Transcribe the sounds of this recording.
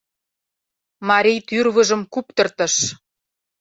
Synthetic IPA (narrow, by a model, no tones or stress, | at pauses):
mɑɾʲijt̪yrβə̆ʒə̆mkup̚t̪ɤ̆rt̪ɤ̆ʃ